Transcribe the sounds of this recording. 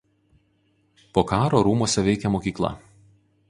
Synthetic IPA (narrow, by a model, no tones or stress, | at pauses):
poːkɑːɾoːɾuːmuɔsʲɛʋʲɛɪkʲɛmoːkʲiːklˠɐ̰